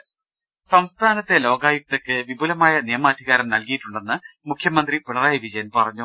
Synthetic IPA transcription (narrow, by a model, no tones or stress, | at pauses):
sɐmst̪ʰaːnɐt̪ːe̞lo̞ːɡaːjuk̚t̪ɐkːɨʋibulɐmaːjɐnijɐmaːd̪ʱiɣaːɾɐmnɐlkijiʈːuɳɖe̞nːɨmukʰjɐmɐnd̪ripiɭɐraːjɐʋid͡ʑɐjɐnpɐrɐɲːu